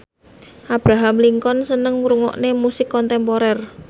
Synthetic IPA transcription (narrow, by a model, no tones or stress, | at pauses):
ʔab̥ɾaɦamliŋkɔnsənəŋuɾuŋɔ̰ʔnemusɪkːɔnt̪ɛmpoɾɛr